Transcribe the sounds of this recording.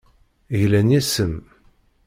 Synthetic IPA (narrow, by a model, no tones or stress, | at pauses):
ʝlænjæsəm